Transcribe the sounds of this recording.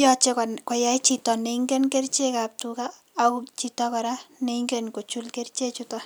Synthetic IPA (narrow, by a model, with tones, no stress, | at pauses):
jɔt͡ʃe˦kɔkɔ˨ja˦jt͡ʃitɔ˨ne˨iŋɡɛ˦nke˦rt͡ʃe˦kap̚tukaː | kt͡ʃitɔ˧kɔ˨ɾane˨iŋɡɛnko˨t͡ʃu˦lke˦rt͡ʃe˦t͡ʃutɔ